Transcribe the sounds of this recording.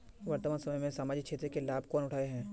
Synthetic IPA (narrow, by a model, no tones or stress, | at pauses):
ʋɐɾt̪maːnsɐməjmẽsaːmaːd͡ʒikt͡ʃʰeːt̪ɾekelaːb̚kɔːnʊʈʰaːeɦɛ̃ː